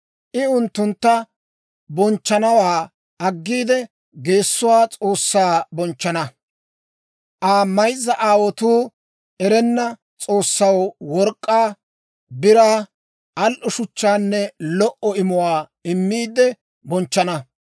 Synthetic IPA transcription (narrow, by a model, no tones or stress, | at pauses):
ʔɪʊnt̪ːʊnt̪ːɐ | bɔnt͡ʃːɐnɐwaː | ɐɡːiːd̪ɛ | ɡe̞ːsːʊwaːt͡sʼoːsːaːbɔnt͡ʃːɐnɐ | ʔaːmɐjzːɐʔaːwɔt̪uː | ʔɛɾɛnːɐ | t͡sʼo̞ːsːɐwwɔɾkʼːaː | bɪɾaː | ʔɐlʔʊʃʊt͡ʃːaːnːɛlɔʔɔɪmʊwaːɪmːiːd̪ɛ | bɔnt͡ʃːɐnɐ